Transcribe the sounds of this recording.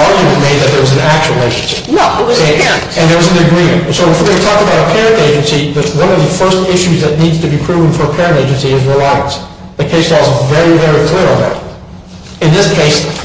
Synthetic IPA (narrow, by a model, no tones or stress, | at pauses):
ɑɹɡjɨmɨ̃nmeɪd̪̚ðɨt̪̚ðə˞wʌz̃n̩æk̚t͡ʃuwl̩ˠeɪʃnʃɨpnow | ɨ̃nðə˞wʌz̃nɨɡɹĩmɨ̃ntsoʊfetʰɔk̚təbaʊɾəpʰɛɹɨ̃nteɪd͡ʒɨ̃nsiðɨwʌ̃nʌvðɨfɜ˞stɪʃʉzðɨtⁿnidz̥tʰɨbipʰɹ̥ʉvə̃n̩fə˞pʰɛɹɨ̃nteɪd͡ʒɨ̃nsiɨzɹəlaɪɨ̰̃ns | ðɨkʰeɪslɔlˠzvɛɹivɛɹikʰl̥ɪɹə̃nðæ̰ɾ | ɨ̃nðɪskʰeɪs